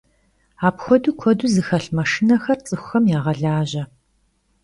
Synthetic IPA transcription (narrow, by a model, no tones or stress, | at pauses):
aːpxʷɔduːkʷʰɔduːzɨxɐɬmɐʂinɐxɐrt͡sʼɨxʷxɐmjaːʁɐɮaːʑɐ